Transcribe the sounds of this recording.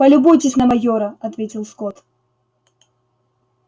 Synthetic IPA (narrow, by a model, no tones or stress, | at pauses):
pɐlʲubɔjt͡sʲɪsʲnɐmaɣʲɔɾɐad̪vʲet͡sʲiwskɔt̪